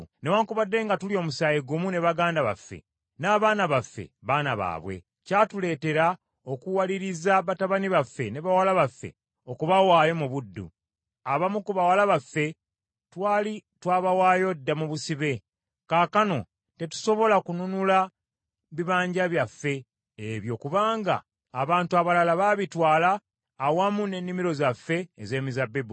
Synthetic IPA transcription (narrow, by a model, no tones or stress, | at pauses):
newaːŋkuβadːe̞ːŋɡatulio̞ːmusaːjiɡumune̞βaɡaːndaβa̰fːe̞̰ | naːβaːnaβafːe̞̰βaːnaβa̰ːβwe̞̰ | catule̞ːte̞ɾa | okuwaliɾizaβataβaniβafːe̞ne̞βawalaβafːe̞̰ | o̞kuβawaːjo̞muβudːṵ | aβamukuβawalaβafːe̞ | twaːlitwaβawaːjo̞dːamuβusiβe̞ | kaːkano̞ | te̞tu̥so̞βo̞lakununula | βiβaːɲɟaβjafːe̞ː | βjo̞kuβaːŋɡa̰ː | βaːntuaβalalaβaβitwaːlaː | wamune̞nːimiɾo̞zafːe̞ːze̞ːmizabːebu